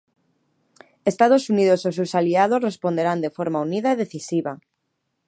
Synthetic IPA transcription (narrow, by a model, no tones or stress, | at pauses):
est̪að̞osuniðosos̬ewsaliaðosrespond̪eɾand̪efoɾmauniðaeðeθisiβa